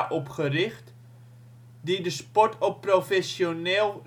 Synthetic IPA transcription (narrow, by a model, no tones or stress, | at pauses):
ʔɔpχərɪxt | didəspɔtʰoprofɛsjoneːlˠ